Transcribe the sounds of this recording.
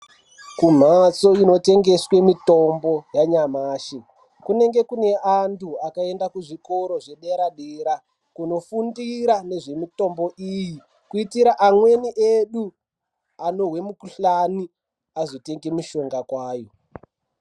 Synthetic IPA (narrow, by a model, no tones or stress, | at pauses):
kum̤at͡soino̞te̞ŋɡe̞swe̞mito̞mbo̞jaɲamaːʃi | kune̞ŋɡe̞kune̞ʔantʰuakae̞ndakuʐiko̞ɾo̞ʐe̞ɗeɾaɗeɾa | kuno̞fundiɾane̞ʐe̞mito̞mbo̞ʔiji | kuitiɾaʔamwe̞niʔeɗu | ano̞we̞mukuɬani | azote̞ŋɡemuʃo̞ŋɡakwaːjo